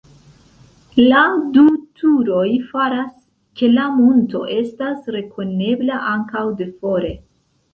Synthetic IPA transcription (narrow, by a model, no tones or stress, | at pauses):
ladutʰuɾo̞jfaɾas | ke̞lamunto̞̰ʔe̞stasɾe̞kʰo̞ne̞blaʔaŋkawde̞fo̞ɾe̞